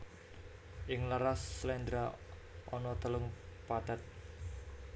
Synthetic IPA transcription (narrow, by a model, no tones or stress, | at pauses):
ʔɪŋlaɾasːlɛnd̪ɾaʔɔnɔt̪əlʊŋpad̪̥at̪̚